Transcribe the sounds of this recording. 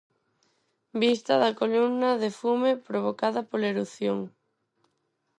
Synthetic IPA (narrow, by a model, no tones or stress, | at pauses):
bist̪ɐðɐkolumnɐðefumepɾoβ̞okaðɐpoleɾuθjoŋ